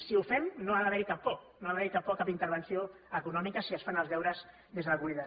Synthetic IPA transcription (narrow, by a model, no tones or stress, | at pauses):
siufɛmnoaðəβɛɾikapːɔknoaβaɛɾikap̚ːɔkːapint̪əɾβ̞ənsio | əkunɔmikəsiəsfanəlˠzβɛwɾəz | d̪ezðələkuliðə